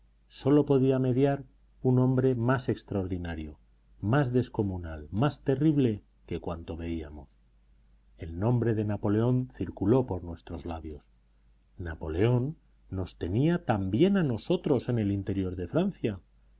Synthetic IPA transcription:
so̞lo̞po̞ðiame̞ðjaɾ | unõ̞mbɾe̞mase̞kst̪ɾaoɾðinaɾjo̞ | mazðe̞sko̞munalmast̪e̞riβ̞le̞ | ke̞kwant̪o̞βe̞ia̰mo̞s | e̞lnõ̞mbɾe̞ðe̞napo̞le̞o̞nθiɾkulo̞po̞ɾnwe̞st̪ɾo̞zlaβjo̞s | napo̞le̞o̞nː | o̞st̪e̞niat̪ambje̞nano̞so̞t̪ɾo̞se̞ne̞lint̪e̞ɾjo̞ɾðe̞fɾanθja

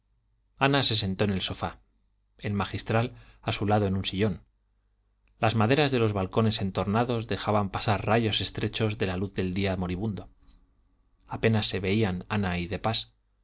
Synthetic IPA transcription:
anase̞s̬e̞nt̪o̞enelso̞fa | elmaxist̪ɾalasulaðoe̞nũnsiʎo̞n | lazmað̞e̞ɾazðe̞lo̞zβalko̞ne̞se̞nt̪oɾnaðo̞zðe̞xaβampasaɾraʝo̞se̞st̪ɾe̞t͡ʃo̞zðe̞laluθðe̞ld̪iamo̞ɾiβ̞und̪o̞ | ape̞nasːe̞βe̞iananaiðe̞pas

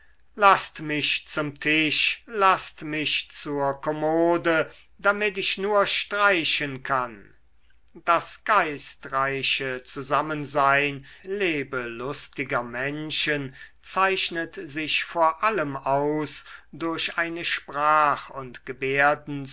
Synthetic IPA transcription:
lastmɪʃt͡sʊmtʰɪʃlastmɪʃt͡suːɐkɔmoːdə | damɪtɪʃnuːɐʃtʁ̥aɪʃənkʰan | d̥asɡ̥aɪstʁaɪʃət͡suzamənzaɪnleːbəlʊstɪɡɐmɛnʃənt͡saɪʃnətzɪʃfoːɐʔaləmaʊsd̥ʊɐɕʔaɪnəʃpʁ̥aːχʊntɡ̥əbeːɐdn̩

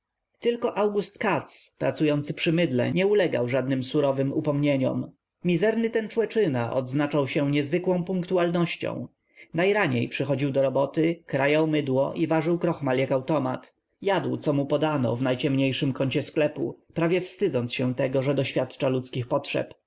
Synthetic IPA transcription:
t̪ɘlkɔʔawɡust̪kat̪spɾat̪sujɔnt̪sɘ̥pʂɘmɘd̪lɛ̰ɲɛulɛɡa̰wʐad̪̚nɘmsuɾɔvɘmupɔmɲeɲɔ̰m | mʲizɛɾnɘt̪ɛnt͡ʂwɛt͡ʂɘnaʔɔ̰d̪znat͡ʂawɕɛɲɛzvɘkwɔ̃w̃puŋkt̪ualnɔɕt͡ɕɔ̰̃w̃ | najɾaɲḛjpʂɛxɔd͡ʑiwd̪ɔɾɔbɔt̪ɘkɾajawmɘd̪wɔʔivaʐɘwkɾɔxmaljakawt̪ɔma̰t̪ | jad̪wt̪sɔmupɔd̪anɔ̰vnajt͡ɕɛmɲejʂɘmkɔɲt͡ɕɛsklɛpṵpɾavʲjɛfst̪ɘd̪zɔntsɕɛt̪ɛɡɔʐɛd̪ɔɕfʲjat̪t͡ʂalut̪skʲixpɔtʂɛ̰p

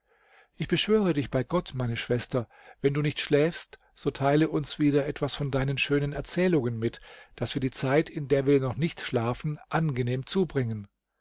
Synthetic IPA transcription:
ʔɪçb̥əʃv̥øːʁədɪçb̥aɪɡɔtmaɪnəʃv̥ɛstɐ | vɛnduːnɪçtʃlɛːfst | z̥oːtʰaɪləʔʊnsv̥iːdɐʔɛtv̥asfɔndaɪnənʃøːnənɛɐt͡sɛːlʊŋənmɪtd̥asviːɐdiːt͡saɪtʰɪndeːɐviːɐnɔχnɪçtʃlaːfn̩ʔanɡəneːmt͡suːbʁɪŋən

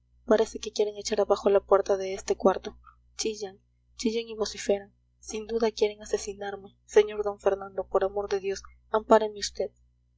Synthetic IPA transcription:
paɾe̞se̞ke̞kje̞ɾeŋe̞t͡ʃaɾaβaxo̞lapwe̞ɾt̪aðe̞est̪e̞kwaɾt̪o̞ | t͡ʃiʝaŋ | t͡ʃiʝeŋiβo̞sife̞ɾan | sind̪uðakje̞ɾe̞ŋase̞sinaɾme̞ | se̞ɲo̞ɾd̪o̞ɱfe̞ɾnãnd̪o̞po̞ɾamo̞ɾðe̞ðjo̞s | ampaɾemeust̪e̞ð

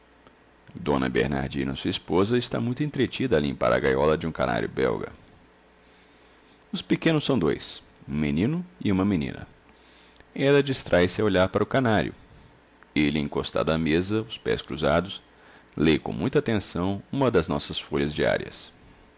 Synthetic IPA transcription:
d̪õ̰nɐ̰bḛɾna̰ɾd͡ʒĩnɐ̰suɐispozɐɪst̪a̰mũj̃t̪ʊẽt̪ɾet͡ʃid̪ɐːlḭ̃mpa̰ɾɐ̰ɡajɔlɐd͡ʒɪũkana̰ɾjʊbɛ̰wɡɐ̰ | ʊspekẽnʊsɐ̃w̃d̪ojs | ũmenĩnʊiũmɐmĩnḭ̃nɐ̰ | ɛlɐd͡ʒist̪ɾʔajsɪɐoʎaɾpaɾɐʊkanaɾjʊ̰ | elɪḛ̃kost̪a̰d̪ʊɐmezɐʊspɛ̰skɾuzad̪ʊs | lejkõmũj̃t̪ɐaːt̪ẽsɐ̃w̃ũmɐd̪ɐznɔsɐsfoʎɐzd͡ʒia̰ɾiɐ̰s

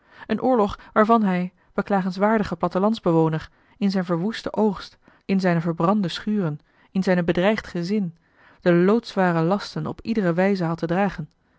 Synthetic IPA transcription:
ʔənʔʊːɹlɔχʋaːɹvɑnɦɛj | b̥əklaːχənsʋaːɹdəχəplɑtəlɑnzbəʋownəɹ | ɪnzɛjnvəɹʋustəʔowχst | ɪnzɛjnəvəɹbrɑndəsχyːrən | ɪnzɛjnəbədrɛjχtχəzɪn | d̥əlowtsʋaːrəlɑstənɔ̰pidərəʋɛjzəɦɑtədraːχən

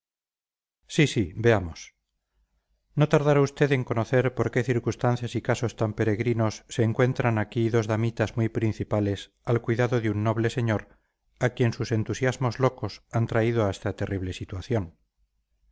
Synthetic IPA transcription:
sisibe̞amos | no̞t̪aɾðaɾaust̪e̞ðe̞ŋko̞no̞θe̞ɾpo̞ɾke̞θiɾkust̪an̟θjasikaso̞st̪ampe̞ɾe̞ɣɾino̞sːe̞ːŋkwe̞nt̪ɾanakiðo̞zðamit̪azmujpɾin̟θipale̞s | alkwiðaðoðeunːoβ̞lese̞ɲoɾ | akje̞nsuse̞nt̪usjazmo̞zlo̞ko̞sant̪ɾaiðoaest̪at̪e̞rʔiβle̞sit̪waθjo̞n

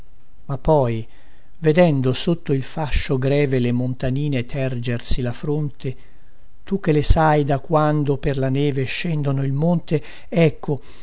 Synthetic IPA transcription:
mapːɔj | ved̪ɛnd̪osot̪ːoilfaʃːoɡɾɛːvelemont̪aniːnet̪ʰɛrd͡ʒersilafɾont̪e | t̪uk̟ːelesajd̪akːwand̪operlanɛːveʃːɛnd̪onoilmont̪e | ɛkːo

